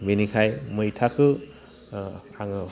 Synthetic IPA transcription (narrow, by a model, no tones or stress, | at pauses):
menikʰajmɯjtʰakʰɯ | aŋ